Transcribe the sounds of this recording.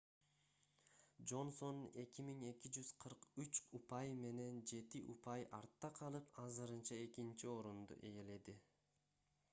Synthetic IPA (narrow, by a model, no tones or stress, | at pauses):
d͡ʒo̞nso̞ne̞kimiŋe̞kid͡ʒyz̥qʰɯɾqyt͡ʃupɑjme̞ne̞nd͡ʒe̞t̪iʔupɑjɑ̰ɾt̪ːɑqʰɑlˠɯpɑzɯɾɯnt͡ʃɑe̞kint͡ʃio̞ɾund̪ṵʔe̞jele̞d̪i